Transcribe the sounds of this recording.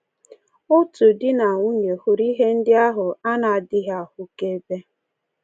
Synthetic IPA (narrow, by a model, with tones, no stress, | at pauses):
ʊ˦tu˨dɪ˦na˨ŋʷu˦ɲe˨hu˨ɾi˦ɦe˦n̩˦dɪ˦a˦ɦʊ˨a˦na˨a˨dɪ˦ɦa˦˨hʊ˦ke˦be˦